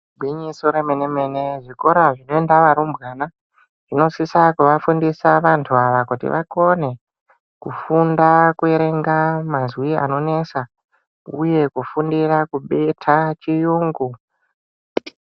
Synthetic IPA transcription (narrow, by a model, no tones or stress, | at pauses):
bʱiɲisoɾemene̞me̞ne̞ʐiko̞ɾaʐino̞e̞ndaʋaɾumbɣana | ʐ̥ino̞sisakuʋafundisaʋantʰuaʋakutḭʋʔa̰ko̞ne̞ | kufundakue̞ɾe̞ŋɡamazwia̰no̞ne̞sa | ṵje̞kufundirakuɓetʰat͡ʃijuːŋɡu